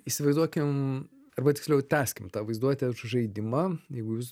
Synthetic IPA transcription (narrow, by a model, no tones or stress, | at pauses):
iːsʲɪʋɐɪzd̪uɔkʲɪm | ɐrbɐt̪ʲɪkslʲɛʊt̪ʲæːsʲkʲɪmt̪ɑːʋɐɪzd̪uɔt̪ʲɛʃʒɐɪd̪ʲɪmɐːjɛɪɡʊjuːs